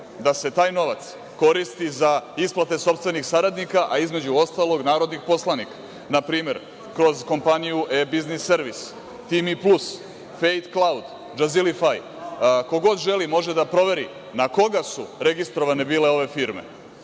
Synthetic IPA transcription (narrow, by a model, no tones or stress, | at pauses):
d̪ase̞t̪aːjno̞ʋat̪s | ko̞ɾist̪izaisplˠat̪e̞so̞pst̪ʋe̞nixsaɾad̪nikaʔaizme̞d͡ʑuo̞st̪alˠo̞ɡnaːɾo̞d̪nixpo̞slˠanikḁ | napɾiːme̞ɾ | kɾo̞zko̞mpanijuʔebiznisːeɾʋis | t̪imiplus | fejt̪klˠawd̪ | d͡ʒazilifaj | ko̞ɡo̞d̪ʒe̞limo̞ʒe̞d̪apɾo̞ʋe̞ɾḭ | nako̞ɡasṵɾe̞ɡist̪ɾo̞ʋane̞biːle̞o̞ʋe̞fiɾme̞̰